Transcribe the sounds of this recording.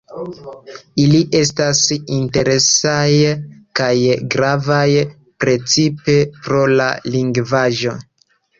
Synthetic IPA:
iliʔe̞stasinte̞ɾe̞sajkajɡɾavaj | pɾe̞t͡sipe̞pɾo̞la̰liŋɡvaʒo̞

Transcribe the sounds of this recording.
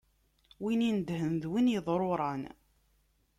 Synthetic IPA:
winind̪hənðwinjəðˤɾˤoɾˤɑn

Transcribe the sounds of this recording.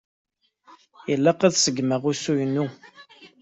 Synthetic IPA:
jəlːæqæðsəɡːməʁʊsujənːu

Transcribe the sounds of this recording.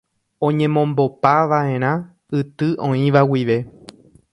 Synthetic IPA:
õ̞ɲẽ̞mõ̞mbo̞paʋaẽ̞ɾ̃ã | ɨt̪ɨʔõĩʋawiʋe̞

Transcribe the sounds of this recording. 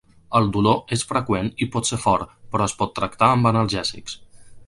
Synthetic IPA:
əlˠd̪uloesfɾəkwenipɔt̪seɾfɔɾpəɾɔəspɔt̪ːɾəkt̪aəmbənəlˠʒɛzḭks

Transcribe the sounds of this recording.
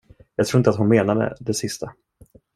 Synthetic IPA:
jɑːɡt̪ʰɾuːɪnt̪əat̪hʊnmeːnad̪ə̰d̪ɛsɪst̪ʰa

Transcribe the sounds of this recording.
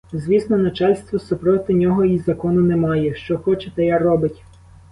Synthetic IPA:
zʋʲisnɔnɐt͡ʃɑlʲst̪ʋɔsʊpɾɔt̪ɪnʲɔɦɔizɐkɔnʊnemɑjɛʃt͡ʃɔxɔt͡ʃɛt̪ɐjarɔbɪtʲ

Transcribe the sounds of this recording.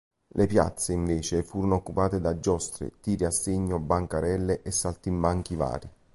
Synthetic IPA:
lʔepja̰t̪sːeiɱveːt͡ʃefuːɾonookːupaːt̪ed̪ad͡ʒːɔst̪ɾḛt̪iːɾiasːeɲːobaŋkaɾɛlːeʔɛsːalt̪imbaŋk̟iva̰ːɾi

